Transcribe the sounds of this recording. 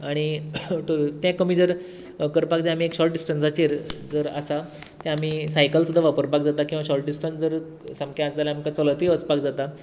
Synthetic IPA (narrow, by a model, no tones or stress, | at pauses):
aɽ̃iʈ̪əɾt̪jãkəmiːd͡zəɾ | kəɾpakd̪ɛ̃am̤iekɕɔlʈ̚ɖisʈənd͡zat͡ɕeɾd͡zəɾa̰sa | t̪ɛ̃am̤iːsajkəlt̪əd̪aʋapəɾpakd͡zat̪akĩw̃ʋaɕɔɾʈ̚ɖisʈə̃nd͡zəɾ | sãmkãasd͡zalam̤əkat͡sələt̪iːət͡spakd͡zat̪a